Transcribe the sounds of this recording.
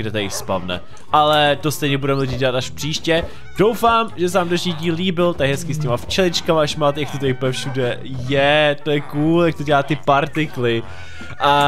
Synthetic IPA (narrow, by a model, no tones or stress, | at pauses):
ɡdɛt̪aɪspavnɛ̰ | ʔalɛt̪ost̪ɛjɲɛbudɛmɛlɪɟiːɟɛlat̪aʃpr̥iːʃcɛ | d̥o̞wfaːmʒɛsɛvaːmdnɛʒɲiːɟiːlliːbɪlt̪akɦɛskɪscɛmaft͡ʃɛlɪt͡ʃkamaʔaʃmaːt̪ɛjakt̪ot̪ɛjpɛfʃudɛ | jɛt̪ojɛkuːljak̚t̪oɟɛlaːt̪ɪpaɾt̪ɪklɪ | ʔa